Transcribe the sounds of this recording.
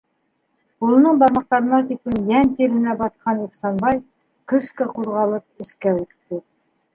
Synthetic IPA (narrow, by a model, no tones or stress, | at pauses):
ulˠɤ̆nɤɴbɑɾmɑq̚t̪ɑɾɤ̆nɑt̪ikɘnjænt̪eɾɘ̆næbɑt̪qʰɑniχsɑnbɑj | kɵ̆ʃkæquɾʁɑlˠɤp̚ɘ̆skæwitt̪ːɘ